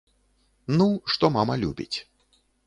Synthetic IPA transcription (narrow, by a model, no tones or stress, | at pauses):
nuʂt̪ɔmamɐlʲubʲḭt͡sʲ